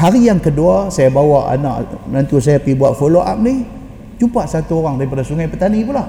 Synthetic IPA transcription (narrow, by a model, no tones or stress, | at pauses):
ɦaɾijaŋkəduasajabawaʔa̰na̰ʔnant̪us̬ajapibuaʔfoloʔap̚nih | t͡ʃupaʔsat̪uoɾaŋtaipadasuŋajpət̪anipulah